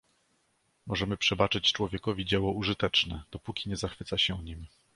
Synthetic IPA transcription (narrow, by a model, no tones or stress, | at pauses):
mɔʐɛmɘpʂɛbat͡ʂɘt͡ɕt͡ʂwɔvʲjɛkɔvʲid͡ʑɛwɔuʐɘt̪ɛt͡ʂnɛd̪̥ɔpukʲiɲɛzaxfɘt̪saɕɛuɲim